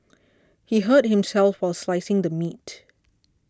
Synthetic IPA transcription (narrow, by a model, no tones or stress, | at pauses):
hiɦət̚hɪ̃msɛlˠfwaɪlˠslaɪsɪ̃ŋd̪əmit